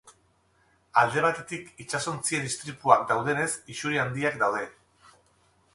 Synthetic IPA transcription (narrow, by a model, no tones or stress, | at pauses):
ald̪e̞β̞at̪e̞t̪ikit͡ʃaso̞nt͡sieðist̪ɾip̪uak̚d̪awð̞e̞ne̞sisuɾiand̪iakd̪awðe̞